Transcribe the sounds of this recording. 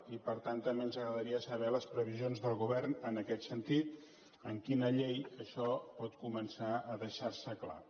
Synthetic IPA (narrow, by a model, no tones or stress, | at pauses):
ipəɾt̪ant̪ːəmbeənzəɣɾəðəɾiəsəβɛləspɾəβ̞izionzðəlˠɣuβɛrnənəkɛt̪sənt̪it̪ | əŋkinəʎejəʃɔpɔt̪kumənsaəðəʃaɾsəkla̰